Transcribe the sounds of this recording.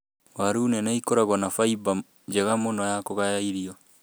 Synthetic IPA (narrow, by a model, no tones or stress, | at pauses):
waɾuːnɛnaikoɾaɣwɔnafaiba | d͡ʒɛɣamonɔjakoɣajaiɾiɔ